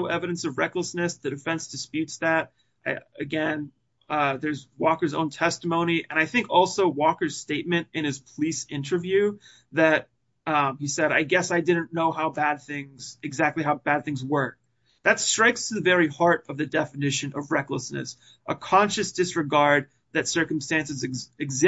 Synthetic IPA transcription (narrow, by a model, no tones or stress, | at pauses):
ʊʔɛvɨɾɨ̃n̩sʌvɹɛkləsnɨsðɨdɨfɛ̃nsd̥ɨspjʉtsðæt̚ | ʔaɨɡɛ̃n | ðə˞zwɔkə˞zõ̰ʊ̃ntʰɛstəmõʊ̃ñiʔɨ̃ñaɪθɪ̃ŋkɔlˠsoʊwɔkə˞z̥steɪt̚mɨ̃ntɨ̃ñɨz̥pʰəlisɪ̃ntʰə˞vjʉ | ðɨt̚ | ʌisɛɾaɪɡɛsaɪdɪdⁿn̩noʊɦaʊbæd̪̚θɪ̃ŋz̥ɨɡzæk̚tˡliɦaʊbæd̪̚θɪ̃ŋzwɜ˞ | ðɨtstɹ̥aɪkstʰɨðɨvɛɹihɑɹɾʌvðɨdɛfɨnɪʃɨ̃nʌvɹɛkləsnɨ̰s | ʔəkʰɑ̃nʃɨsd̥ɨsɹɨɡɑɹd̪̚ | ðɨtsɜ˞km̩stæ̃nsɨzɨɨɡzɪ